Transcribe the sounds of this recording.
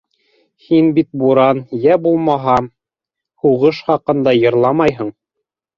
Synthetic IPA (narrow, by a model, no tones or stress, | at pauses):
hinbit̪̚buɾɑnjæbulˠmɑɦɑ | huʁɤʃχɑqɤ̆nd̪ɑjɤ̆ɾlˠɑmɑjɦɤɴ